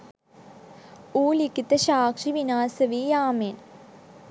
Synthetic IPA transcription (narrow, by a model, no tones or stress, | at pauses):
uːlikːit̪ːɐɕaːkʂiʋinaːsɐʋijaːmeːn